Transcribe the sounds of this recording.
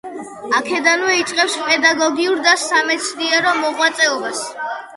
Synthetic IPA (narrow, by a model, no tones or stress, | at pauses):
akʰɛd̪anwɛit̪sʼqʼɛpspʼɛd̪aɡɔɡiuɾd̪asamɛt̪sʰd̪iɛɾɔmɔʁwat̪sʼɛɔbas